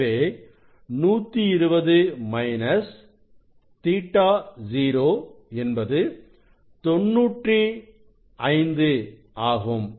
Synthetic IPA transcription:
eː | nuːt̪ːiɪɾɯbɐðɯmɐɪnɐs | t̪iːʈːaːd͡ʒiːɾoːɛnbɐðɯ | t̪ɔnːuːʈri | ɐɪnd̪ɯ | aːɣɯm

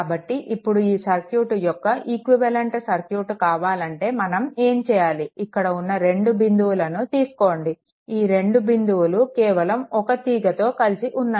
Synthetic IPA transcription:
bɐʈːiʔipːuɽuiːsɐɾkjuːʈjɔkːɐʔikʋiʋɐleɳʈsɐɾkjuːʈkaːʋaːlɐɳʈe̞ːmɐnɐme̞ːmt͡ʃɛːjaːliikːɐɽɐunːɐɾe̞ɳɖubind̪uːlɐnut̪iːsu̥ko̞ːɳɖi | iːɾe̞ɳɖubind̪uːlukɛːʋɐlɐmɔkɐt̪iːɡɐt̪o̞ːkɐlisiʔunːaː

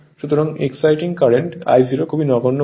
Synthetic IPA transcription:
ʃut̪oɾaŋḛksajʈiŋkaɾeɳʈa̰jziɾokʰubinɔɡonːo

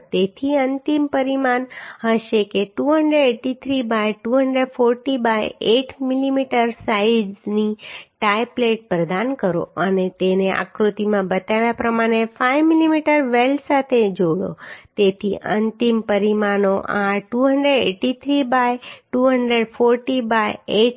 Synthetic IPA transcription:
t̪et̪ʰiənt̪impəɾimanɦəʃekeʈuɦəɳɖɾeɖeʈit̪ʰɾibajʈuɦəɳɖɾeɖfoɾʈibajeʈʰmilimiʈəɾsaijniʈajpleʈ̚pɾəd̪ankəɾo̰ənet̪eneʔa̰kɾut̪imãbət̪aʋjapɾəmaɽ̃efajʋmilimiʈəɾʋelsat̪ʰed͡ʒoɭo̰t̪et̪ʰḭʔə̰nt̪impəɾimanoʔaʈuɦəɳɖɾeɖeʈit̪ʰɾibajʈuɦəɳɖɾeɖfoɾʈibajeʈ

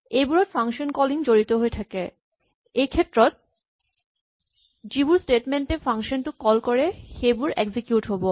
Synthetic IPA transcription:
ebuɾoɾfaŋʃonkɔliŋd͡ʑoɾit̪oɦoet̪ʰake | ekʰet̪ːɾot̪̚ | d͡ʑibuɾsʈeʈmeɳʈefaŋʃonʈukɔlkoɾehebuɾḛɡsikjuʈɦɔbo

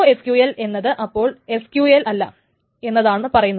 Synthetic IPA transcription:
oeskjuele̞nːɐðɨʔɐpːo̞ːɭe̞skjuːelʔɐlːɐ̰ | e̞nːɐðaːɳɨpɐrɐjunːɐ

